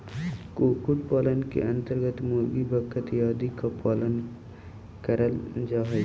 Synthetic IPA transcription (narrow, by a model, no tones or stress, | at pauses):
koːkuʈ̚paːlənkḛʔɐ̃nt̪əɾɡət̪moːlɡibʱəkʰət̪jaːd̪ikapaːlən | kəɾəld͡ʒaːɦ